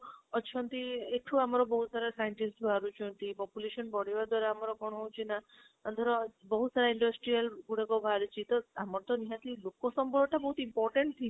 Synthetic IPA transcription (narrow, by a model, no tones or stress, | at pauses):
ɔt͡ʃʰɔnt̪ieʈʰuamɔɾɔbɔɦut̪saɾasajeɳʈisʈaɾut͡ʃʰɔnt̪ipɔpjuleʃɔnbɔɽiʋad̪waɾaamɔɾɔkɔɽ̃ɔɦowt͡ʃʰina | and̪ʰʱɔɾɔbɔɦusaɾaiɳɖɔsʈɾialɡuɽakɔbʱaɾut͡ʃʰit̪ɔamɔɾt̪ɔniɦãt̪ilokɔsɔmbɔɾɔʈabɔɦut̪impɔɾʈeɳʈ̚t̪ʰi